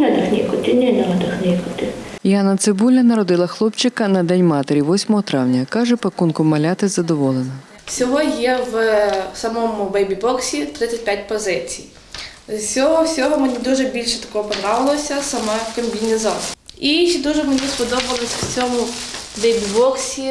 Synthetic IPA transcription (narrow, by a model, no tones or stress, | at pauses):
nʲɛd̪ɐxnʲikʊt̪ʲɪnʲɛnʲɛlɔd̪ɐxnʲɛkʊt̪ʲɪjɑnɐt̪sɪbulʲɐnɐɾɔd̪ɪlˠɐxlˠɔpt͡ʃɪkɐnɐd̪ɛnʲmɑt̪eɾʲiʋɔsʲmɔɦɔt̪ɾɑwnʲɐkɑʒɛpɐkunkʊmɐlʲat̪ɪzɐd̪ɔʋɔlˠenɐ | sʲɔɦɔjɛwsɐmɔmʊʋɛjbʲibɔksʲit̪ɾɪt͡sʲːɐt̚ʲpʲjat̚ʲpɔzɪt͡sʲij | sʲɔɦɔwsʲɔɦɔmenʲid̪uʒɛbʲilʲʃɛt̪ɐ̥kɔɦɔpɔd̪ɾɑʋɪlˠɔsʲɐsɐmɛkɐmʲbʲinʲizɔsiʃɛd̪uʒɛmenʲispɔd̪ɔbɐlˠɪsʲwt͡sʲɔmʊʋɛjbʲibɔksʲi